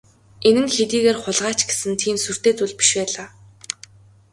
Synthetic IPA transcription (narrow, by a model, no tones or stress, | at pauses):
enɘ̆nxet̪iːɣeːrχʊɮʁaːt͡ɕɡe̥sɘ̆nt̪ʰiːmsur̥t̪eːt͡suɮpi̥ʃpæːɮaː